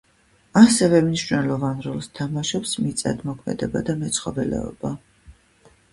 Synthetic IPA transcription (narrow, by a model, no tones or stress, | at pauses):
asɛvɛmniʃnɛlˠɔvanɾɔlˠst̪ʰamaʃɔpsmit̪sʼa̰d̪mɔkʰmɛ̰d̪ɛbad̪amɛt̪sʰχɔbɛlɛ̰ɔ̰ba